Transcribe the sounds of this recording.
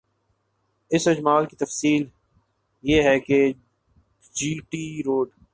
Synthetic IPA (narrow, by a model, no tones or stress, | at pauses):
ɪsɪd͡ʒmaːlkit̪ɐfsiːl | jeːɦɛke | d͡ʒiːʈiːɾoːɖ